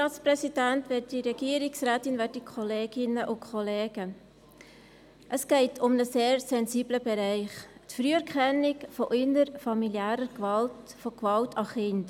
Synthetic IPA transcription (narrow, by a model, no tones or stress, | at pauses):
tɑːtsprɛsid̥æntʋɛːtd̥iɾɛɡ̥iːəɾɪksræːtɪnvɛːdikχɔleːɡ̥ɪnəʔʊnkʰχɔleːɡə | ʔəsɡ̥ɛɪtʰʊmnəseːɾsɛnziːbləbɛɾæɪχtfɾyːɛɾkχɛnɪkfɔʔɪnəɾfɑmiljæːɾəɾkvɑltfokvɑltʰɑχɪnt